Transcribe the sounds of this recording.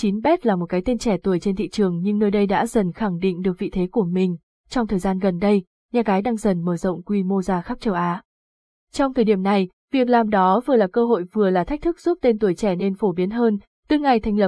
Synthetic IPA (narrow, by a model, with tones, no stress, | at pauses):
t͡ɕi˨˦nɓɛ˦˥t̚laː˨˩mo˨˩t̚kaː˨˦jt̪e˧nt͡ɕɛ˧˩t̪u˨˩əjt͡ɕe˧nt̪ʰḭ˧˨t͡ɕɨ˨˩əŋɲɨ˧ŋnəː˧jɗə˧jɗa̰ː˧˥zə˨˩nxa˧˩ŋɗḭ˧˨ŋ̟ɗɨ˨˩ək̚vḭ˧˨t̪ʰe˨˦ku˧˩əmï˨˩ŋ̟ | t͡ɕɔ˧wŋ͡mt̪ʰəː˨˩jzaː˧nɣə˨˩nɗə˧j | ɲaː˨˩ɣaː˨˦jɗaː˧ŋzə˨˩nməː˧˩zə̰˧˨wŋ͡mkwi˧mo˧zaː˧xa˦˥p̚t͡ɕə˨˩wʔaː˨˦ | t͡ɕɔ˧wŋ͡mt̪ʰəː˨˩jɗi˧˩əmna˨˩j | vi˨˩ək̚laː˨˩mɗɔ˨˦vɨ˨˩əlaː˨˩kəː˧ɦo̰˧˨jvɨ˨˩əlaː˨˩t̪ʰa˦˥k̚t̪ʰk̚z̥u˦˥p̚t̪e˧nt̪u˧˩əjt͡ɕɛ˧˩ne˧nfo˧˩ɓi˨˦ənɦəː˧n | t̪ɨ˧˦ŋa˨˩jt̪ʰa˧jŋ̟lə˨˩p̚